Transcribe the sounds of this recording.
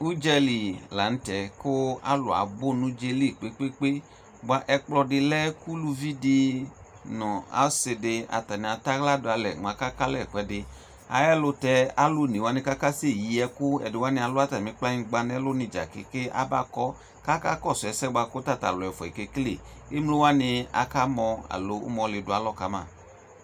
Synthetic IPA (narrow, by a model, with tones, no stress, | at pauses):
u˦d͡ʒɛ˧li˨la˨˦n̩˦tɛ˨ko˦a̰˦lʊ˨a̰˨bo˦nũ˦d͡ʒe˧li˦˨k͡pe˦k͡pe˦k͡pe˦ | ɡ͡ba˧ʔɛ˧k͡plɔ˧dɪ˧lɛ˦ku˦lu˧vi˦di˧ | nɔ˨a̰˨˦sɪ˧dɪ˧a̰˨ta˨ni˨a˨˧ta˦ɣla˦dʊ˧a˧lɛ˨ŋ͡ma˧ka˦ka˦lɛ˦˨kɛ˨dɪ˧ | a̰˨jɛ˦lʊ˧tɛ˧a˨lo˦˨ni˨wa˦nɪ˧ka˦ka˦se˦˨ji˨ɛ˧kʊ˦ɛ̰˨dɪ˨wa˦nɪ˧˦a˧lʊ˦a˦ta˨mɪ̃˦k͡pla˦ɲĩ˦˧ɡ͡ba˧nɛ˦lʊ˦nɪ˧˨d͡ʒa̰˨kɪ˦kɪ˦a̰˦ba̰˦˨kɔ˦ | ka˦ka˦kɔ˦˨sɛ˨sɛ˦ɡ͡ba˧kʊ˦ta˦˨ta̰˨lɔ˨ɔ˨fɔ˨i˨ke˧kle˨ | ɪ˦mlo˦wa˦nɪ˧a̰˨ka˦mɔ˧a̰˨lo˨ʊ̰˦mɔ̃˨˧˦lɪ˨dʊ˨˦a˨˦lɔ˦ka˨˦ma̰ː˦˨